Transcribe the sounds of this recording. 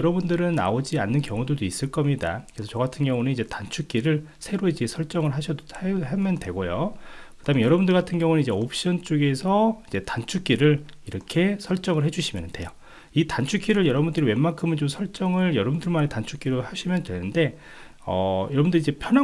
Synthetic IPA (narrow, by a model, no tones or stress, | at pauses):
ʌɾʌbundɯɾɯna̰od͡ʑianːɯnkjʌŋudodois͈ɯɭk͈ʌmɲida̰kɯɾesʰʌt͡ɕʌɡatʰɯnɡjʌŋunɯnid͡ʑe̞tant͡ɕʰuk͈iɾɯɭ | sʰe̞ɾoid͡ʑe̞sʰʌɭt͡ɕ͈ʌŋɯɭɦaɕʰʌdɦamjʌndwe̞ɡojokkɯd̥amejʌɾʌbundɯɭɡatʰɯnɡjʌŋunɯnid͡ʑe̞opʰɕ͈ʌnt͡ɕ͈oɡe̞sʰʌid͡ʑe̞tant͡ɕʰuk͈iɾɯɭiɾʌkʰe̞sʰʌɭt͡ɕ͈ʌŋɯɭhe̞d͡ʑuɕʰimjʌnɯnd̥we̞jo | itant͡ɕʰukʰiɾɯɭjʌɾʌbundɯɾiwe̞maŋkʰɯmɯnt͡ɕomsʰʌɭt͡ɕ͈ʌŋɯɭjʌɾʌbundɯɭmanetant͡ɕʰuk͈iɾohaɕʰimjʌndwe̞nɯnde̞ | ʌ̰jʌɾʌbundɯɾid͡ʑe̞pʰjʌna